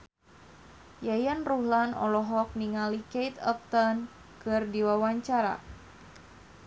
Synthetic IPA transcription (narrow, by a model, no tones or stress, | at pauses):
jajanruhlanɔ̰lɔɦɔk̚niŋalikejt̪ɔ̰p̚t̪ɔn | kɨrdiwawaɲt͡ʃaɾa̰